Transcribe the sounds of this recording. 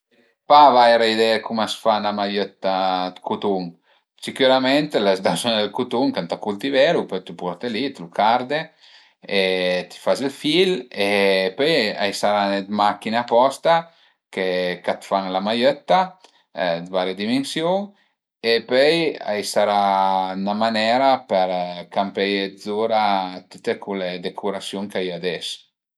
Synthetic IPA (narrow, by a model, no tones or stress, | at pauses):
pavajɾaid̪ɛkumasfanlamajøt̪ːad̪kut̪uŋ | sikjuɾamɛnt̪lazd̪asond̪elkut̪uŋkant̪akult̪ivɛɾupøjt̪upɔɾt̪elit̪lukaɾd̪e | et̪i̥fazilfilepøja̰jsaɾanet̪makinapɔst̪a | kekat̪faŋlamajøt̪ːa | d̪vaɾjed̪imensjuŋ | epœja̰jsaɾanamanɛɾapɛɾkampɛjezuɾat̪it̪ekʰuled̪ekʰuɾasjuŋkajad̪ɛs